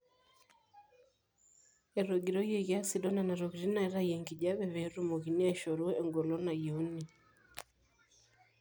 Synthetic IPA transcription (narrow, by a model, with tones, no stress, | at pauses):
ɛ˨ɾɔ˨ɡi˨ɾɔ˦je˨ɣja˦si˨dɔ˦na˨na˨ɾɔ˨ɣiɾi˦na˨i˦ɾa˦jɛ˨ŋɡi˨ʄa˦βɛ˨βɛ˨ɾu˦mo˨ɣi˨ni˦a˦ʃɔ˨ɾu˦ɛ˨ŋɡɔ˨lɔ˦na˨ju˦ni˨